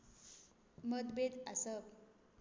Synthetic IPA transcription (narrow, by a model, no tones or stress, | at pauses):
məd̪bed̪asəp